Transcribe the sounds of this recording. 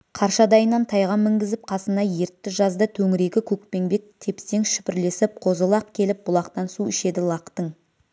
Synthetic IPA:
qʰɑɾʃɑd̪ɑjənːɑnt̪ʰɑjʁɑmːɪŋɡʲɪzɪp̚qʰɑsənɑje̞ɾt̪ːɪʒɑzd̪ət̪ʰɵŋɪɾe̞ɡʲɪkʲʰɵk̚pe̞ŋbe̞k̚t̪ʰe̞pse̞ŋʃʏ̥pɪɾle̞sɪp̚qʰo̞zəlˠɑqkʲʰe̞lɪp̚bʊlˠɑqt̪ɑnsuɪʃe̞d̪ɪlˠɑqt̪əɴ

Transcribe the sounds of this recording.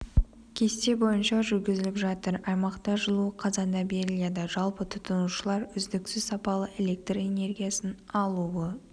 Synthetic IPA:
kʲʰe̞st̪e̞bo̞jənʃɑʒʏɾɡʲɪzɪlɪpʒɑt̪əɾɑjmɑqt̪ɑʒəlˠuəqʰɑzɑnd̪ɑbe̞ɾɪlijad̪ɑʒɑlˠpət̪ʰʊ̥t̪ənuʃəlˠɑɾʏzd̪ɪksɪzsɑpɑlˠəʔe̞lʲe̞k̚t̪re̞ne̞rɡʲijasənɑlˠuwə

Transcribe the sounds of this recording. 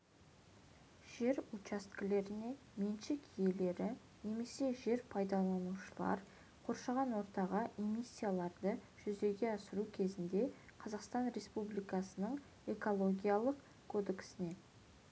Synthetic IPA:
ʒ̥e̞ɾut͡ʃast̪kʲɪle̞ɾɪne̞ | menʃɪkje̞le̞ɾɪ | ne̞me̞se̞ʒe̞ɾpʰɑjd̪ɑlˠɑnuʃəlˠɑ̰ɾ | qʰo̞ɾʃɑʁɑnwo̞ɾt̪ɑʁɑʔemisʲːijalˠɑɾd̪ə | ʒ̥ʏzd̪e̞ɡʲe̞ɑsəɾukʲʰe̞zɪnd̪e̞qʰɑzɑqst̪ɑnɾe̞spublijkɑsənəɴ | e̞ko̞lˠo̞ɡʲijalˠəq | kʰːo̞d̪e̞ksɪne̞

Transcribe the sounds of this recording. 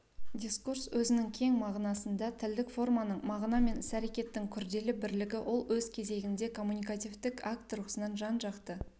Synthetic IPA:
dʲiskurswɵzɪnɪŋkʲʰe̞ŋmɑʁnɑsənd̪ɑt̪ʰɪld̪ɪkfo̞rmɑnəɴmɑʁnɑme̞nɪsæɾe̞kʲe̞t̪ːɪŋkʲʰʏɾd̪e̞lɪbɪɾlɪɡʲɪwʔo̞lˠwɵzkʲʰe̞ze̞ɡʲɪnd̪e̞kʰo̞mːunijkat̪ijvt̪ɪkakt̪rusənɑnʒɑnʒɑqt̪ə

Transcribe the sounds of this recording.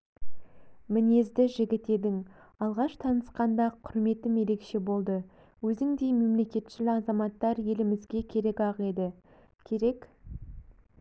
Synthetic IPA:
mɪne̞zd̪ɪʒɪɡʲɪt̪e̞d̪ɪŋ | ɑlˠʁɑʃt̪ʰɑnəsqɑnd̪ɑqʰʊɾme̞t̪ːɪme̞ɾe̞kʃe̞bo̞lˠd̪ə | wɵzɪŋd̪e̞jme̞mle̞kʲe̞t̪ʃɪlɪɑzɑmɑt̪ːɑɾje̞lɪmɪzɡʲe̞kʲʰe̞ɾe̞kɑʁe̞d̪ɪ | kʲʰe̞ɾe̞k

